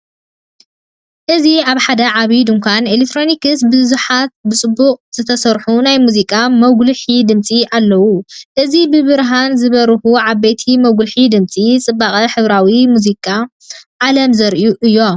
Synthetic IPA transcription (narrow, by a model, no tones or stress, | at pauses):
ʔɨziaβħad̪ɐʕaβid̪ɨmkʷanelekt̪ʰɾonikɨsbɨzuħat̪̚bɨt͡sʼɨbːuqʼz̥ɨt̪ʰɐsɐɾħunajmuzikʼamɐɡlɨħid̪ɨmt͡sʼiʔalːɐwuʔɨzibɨbɨɾɦanzɨβɐɾxuʕaβejt̪ʰimɐɡlħid̪ɨmt͡sʼit͡sʼɨbːaχʼɐħɨβɾawimuzikʼːa | ʕalɐmzɐɾʔjuʔɨjːo̞